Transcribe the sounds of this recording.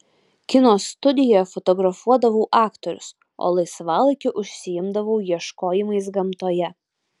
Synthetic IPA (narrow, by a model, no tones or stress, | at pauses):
kʲɪnoːsːt̪ʊd̪ʲɪjoːjɛfɔt̪ɔɡɾɐfuɔd̪ɐʋoʊʔɑːkt̪ɔɾʲʊ̰s | o̰ːlˠɐɪsʋɑːlˠɪkʲɪʔʊʃʲsʲɪjɪmd̪ɐʋɐʊjiɛʃkoːjɪmɐɪs̬ɡɐmt̪oːjɛ